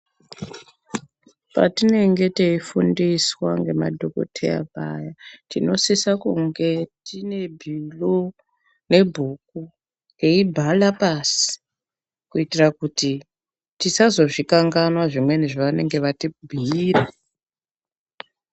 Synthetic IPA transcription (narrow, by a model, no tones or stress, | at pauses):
pa̰tine̞ŋɡe̞teifundiswaŋɡe̞ma̰dʱoko̰tʰḛja̰pa̰jatino̞sisakuŋɡe̞tine̞bʱilo | ne̞bʱuk̚u | ŋeibʱalapasi̥ | kuitirakuti | tisazo̞ʐikaŋɡanwaʐimwe̞niʐiʋane̞ŋɡe̞ʋatibʱiira